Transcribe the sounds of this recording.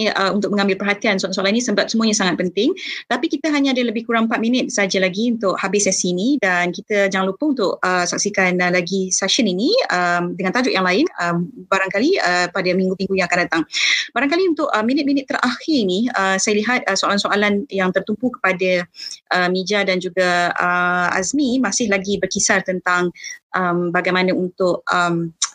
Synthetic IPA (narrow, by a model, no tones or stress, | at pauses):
əunt̪ʊk̚mə̃ŋãmbɪlpərɦat̪iansoalansoalaninĩsəbap̚səmuəɲasaŋat̪̚pənt̪ɪŋt̪apikit̪əɦaɲãadələbɪhkuɾaŋpat̪̚minət̪̚saad͡ʒalaɡiunt̪ʊʔhabɪsɛsiːnidankit̪əd͡ʒaŋanlupəunt̪ʊʔəsak̚sikanlaɡisaʃəniniəmdəŋant̪ad͡ʒʊʔ̚jaŋlaɪnəmbaɾaŋkaliəpadəmiŋɡut̪iŋɡujãŋakandat̪aŋbaɾaŋkaliunt̪ʊʔəminɪt̪̚minɪt̪ːəɾʔaxɪɾiniəsajəliɦat̪̚əsoalansoʔalanjaŋt̪ərt̪umpukə̥padaʔəmid͡ʒadand͡ʒuɡaəa̰zmimasɪhlaɡibərkisart̪ənt̪aŋʔəmbaɡajmanəunt̪ʊʔ̚əm